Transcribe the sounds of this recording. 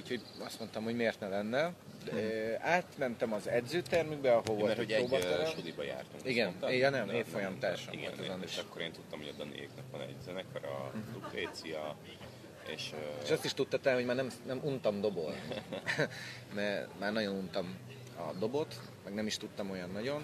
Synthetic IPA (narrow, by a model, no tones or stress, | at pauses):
ucho̞ɟɒst̪mo̞nt̪ɒmho̞ɟmeːrt̪nɛlɛnːɛ | aːt̪mɛnt̪ɛmɒzɛdzøːt̪ɛrmyɡ̚bɛɒɦolvolɛɾooːbɒʃud̪ibɒja̰ːrt̪ṵŋkiɡɛnnjnɛmeːfo̞jɒmt̪aːʃoiɡɛɛzoniʃʃɒkːoɾeːnt̪ut̪ːɒmhood̪ɒnḛːjknɒpvɒnɛ̰ɟ̪zɛnɛkɒɾɒ̰zut̪eːt̪sijɒ | ḛːʃeʃɒst̪iʃt̪ut̪ːɒt̪ɛːnhoɟmaːrnɛmnɛmʔunt̪ɒmd̪o̞bo̞lnni | mɛmaːrnɒɟo̞nunt̪ɒm | ɒ̰d̪o̞bo̞t̪ | mɛɡnɛmiʃt̪ut̪ːɒmo̞jɒnːɒɟo̞n